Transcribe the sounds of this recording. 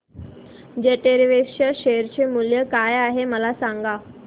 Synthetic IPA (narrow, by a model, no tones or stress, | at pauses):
d͡ʑeʈeɾʋeɕəɕeəɾt͡ɕemuljəkajaɦeməlasaŋɡa